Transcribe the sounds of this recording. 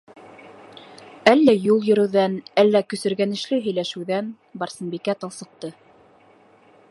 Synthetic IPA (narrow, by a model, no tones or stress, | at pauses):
ælːæjulˠjɵ̆ɾɘ̆wðænælːækɵ̆sɵ̆ɾɡænɘ̆ʃlɘɦɵ̆jlæʃɘ̆wðæn | bɑɾsɤ̆nbikæt̪ɑlˠsɤ̆q̚t̪ɤ